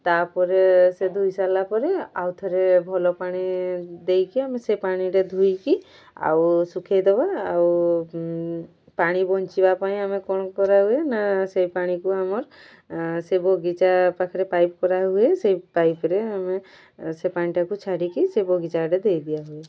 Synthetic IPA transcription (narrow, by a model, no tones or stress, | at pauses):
t̪aɾpɔɾesed̪ʱujsalapɔɾeawt̪ʰɔɾebʱɔlɔpaɽ̃id̪ejkiamesepaɽ̃iɾed̪ʱujki | a̰wsukʰejd̪ɔbaːw | paɽ̃ibɔɲt͡ʃibapaĩamekɔñɔkɔɾaɦuenasejpaɽ̃ikuamɔɾ | sebɔɡit͡ʃapakʰɾepajpkɔɾaɦuesejpajpɾeame | sepaɽ̃iʈakut͡ʃʰaɽikisebɔɡit͡ʃaɾed̪ejd̪ijaɦue